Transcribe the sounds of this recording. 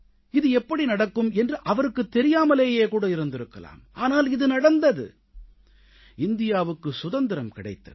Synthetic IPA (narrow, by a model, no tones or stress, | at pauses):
ɪðɯɛpːɐɽinɐɽɐkːɯmɛndrɯʔɐʋɐɾɯkːɯt̪ːɛɾɪjaːmɐleːjeːkuːɽɐɪɾɯnd̪ɪɾɯkːɐ̰la̰ːmʔaːnaːlɪðɯnɐɽɐnd̪ɐðɯ̰ | ɪnd̪ɪjaːʋɯkːɯsʊðɐnd̪ɪɾɐmkɪɽɐ̰ɪt̪ːɐ̰ðɯ̥